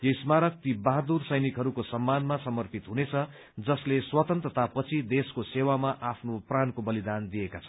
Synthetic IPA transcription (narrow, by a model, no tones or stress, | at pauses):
jʌismaɾʌk̚t̪ibaɦad̪ursʌjnikɦʌɾukosʌmːanmasʌmʌrpʰit̪ɦunet͡sʰʌ | d͡zʌsleswʌt̪ʌnt̪rʌt̪apʌt͡sʰid̪eskosewamaʔapʰnoprankobʌlid̪and̪ijekat͡sʰʌ̥